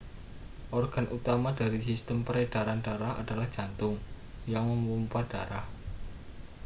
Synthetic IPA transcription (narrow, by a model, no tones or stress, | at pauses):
ʔɔrɡ̥a̤nʔut̪amad̥a̤ɾisist̪əmpəɾed̥aɾand̥aɾaha̰d̥a̤lahd̥ʒ̥a̤nt̪ʊŋ | jaŋməmumpad̥a̤ɾah